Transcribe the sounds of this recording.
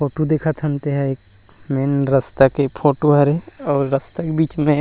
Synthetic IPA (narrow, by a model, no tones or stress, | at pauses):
pʰoːʈod̪eːkʰət̪ʰɐ̃nt̪eɦɛeːk̚ | meːnɾɐst̪akepʰoːʈoɦɐɾeɔːɾːɐst̪akebiːt͡ʃmẽ